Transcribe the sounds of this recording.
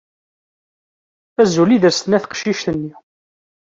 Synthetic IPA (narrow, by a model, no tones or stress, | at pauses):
æzuliðəɾst̪ənæθqʃiʃt̪ənːi